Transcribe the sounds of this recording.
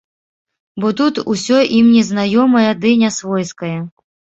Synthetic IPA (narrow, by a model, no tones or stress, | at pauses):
bɔt̪ut̪usʲɔʔimnʲɛznajɔmɐjɐd̪ɨnʲasvɔjskɐjɐ